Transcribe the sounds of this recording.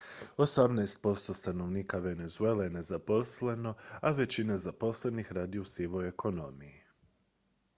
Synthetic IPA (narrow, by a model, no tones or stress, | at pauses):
o̞samnajst̪̚po̞st̪o̞st̪ano̞ʋniːkaʋe̞ne̞zuelejene̞zapo̞sle̞no̞aʋe̞t͡ɕinezapo̞sle̞nixɾaːd̪iusiʋoje̞kʰo̞no̞miji